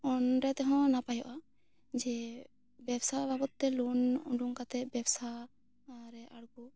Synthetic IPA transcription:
ɔnɾɛt̪ɛɦɔ̃napajɔʔa | d͡ʒɛ | bɛbsababɔt̪̚ːɛlunṵɳɖuŋkat̪ɛbɛbsa | ɾɛʔaɽɡu

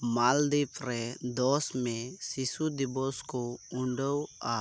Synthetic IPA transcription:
mald̪ipɾed̪ɔsmẽsisud̪ibɔskoʊɳɖəwa

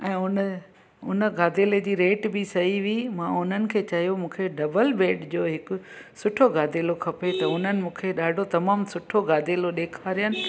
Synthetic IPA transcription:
ɛ̃ːʊnə | ʊnə̆ɡaːd̪ʱeːled͡ʑiːɾeːʈbɪsɐɦiʋimãʊn̤ənɪ̆kʰeːt͡ɕɐɦjomũːkʰeɖɐbəlbeːɖd͡ʑoːɦɪkʊ̆ | sʊʈʰoɡaːd̪ʱeːlokʰɐpet̪ɐʊn̤ənɪ̆mũːkʰeɗaːɖʱot̪ɐmaːmsʊʈʰoɡaːd̪ʱeːloɗeːkʰaːɾijənɪ̆

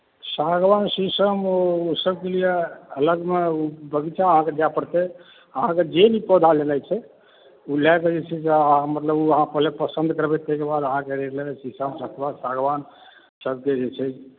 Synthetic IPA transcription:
saɡʋansisəmousəb̚kelijeələɡmeubəɡit͡ʃʰɛəɦãked͡ʒapəɽt̪e | əɦãked͡ʒenipɔd̪ʱalelajt͡ʃʰɛ | ulɛkəd͡ʒet͡ʃʰɛseəɦãmət̪ləbuəɦãpəɦlepəsənd̪ʱkəɾbɛt̪əɦkebad̪əɦãkeɾelesisəmsəkebad̪saɡʋan | səb̚ʱked͡ʒet͡ʃʰɛ

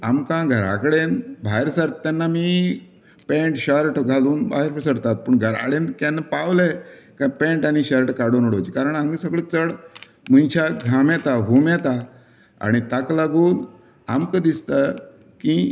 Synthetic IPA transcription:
amkãɡʱəɾa̰kɽenbʱaɾsaɾt̪ːanːamiː | pẽɳʈɕəɾʈɡʱaluːnba̰ɦeɾpisəɽt̪at̪̚pəːɳɡʱəɾa̰ɽenkanːpaʋlekapẽɳʈaɽ̃iɕəɾʈkaɽonoɽot͡ɕikaɾəɳaŋɡisəɡɭət͡səɽ | m̤unt͡ɕʰaɡʱamɛt̪aɦumɛt̪a | a̰ɽ̃it̪aklaɡuːn | amkə̃d̪ist̪a | ki

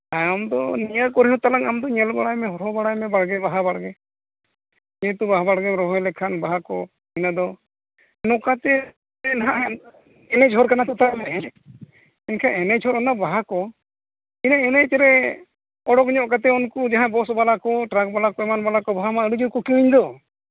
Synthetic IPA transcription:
ajamd̪ɔnijəkɔɾiɦɔ̃t̪alaŋamd̪ɔɲɛlbaɽajmɛɦɔɾɦɔbaɽajmɛbaɽɡɛbaɦabaɽɡɛ | d͡ʒɛɛt̪ubaɦabaɽɡɛɾɔɦɔjlɛkʰanbaɦakɔ | inad̪ɔ | nɔkat̪ɛ | naɦaʔ | ɛnɛt͡ʃʰɔɾkanat̪ɔt̪aamɛɛ | inkʰãɛnɛt͡ʃʰɔɾɔnabaɦakɔ | inaɛnɛt͡ʃɛɾɛ | ɔɽɔkɲɔʔkat̪̬ɛɔnkɔd͡ʒaɦãbɔsbalakɔʈɾak̚balakɔɛmanbalakɔbaɦamaəɽud͡ʒuwkɔkiwiɲd̪ɔ

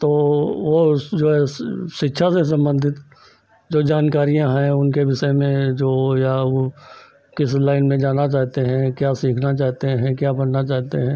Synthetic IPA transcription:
t̪oːʋod͡ʒoːɦɛʃɪtːʃʰases̬ə̃mbə̃nd̪ʱɪt̪ | d͡ʒoːd͡ʒaːnkaːɾijãɦɛ̃ʊnkeʋɪʃəmẽd͡ʒoːja | kɪslaːɪnmẽd͡ʒaːnat͡ʃaːɦt̪eɦɛ̃kjaːsiːkʰnat͡ʃaːɦt̪eɦɛ̃kjaːbənnat͡ʃaːɦt̪eɦɛ̃ː

